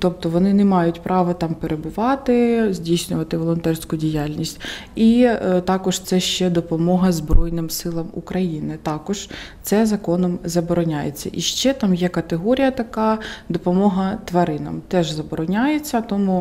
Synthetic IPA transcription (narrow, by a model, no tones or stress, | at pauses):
t̪ɔp̚t̪ɔʋɔnɪnɛmɑjʊtʲpɾʔɑʋɐt̪ɑmpeɾebʊʋɑt̪ɪzʲdʲijsʲnʲʊʋɐt̪ɪʋɔlˠɔnt̪ɛrsʲkʊdʲijalʲnʲisʲtʲit̪ɑkɔʒt̪sɛʃt͡ʃɛd̪ɔpɔmɔɦɐzbɾɔjnɪmsɪlˠɐmṵkɾɐjinɪt̪ɑkɔʒ̥t̪sɛzɐkɔnɔmzɐbɔɾɔnʲajḛt͡sʲːɐ̰ʔiʃt͡ʃɛt̪ɑmjɛkɐt̪eɦɔɾʲijɐt̪ɐkɑd̪ɔpɔmɔɦɐt̪ʋɐɾɪnɔ̰mt̪ɛʒzɐbɔɾɔnʲajet͡sʲːɐt̪ɔmu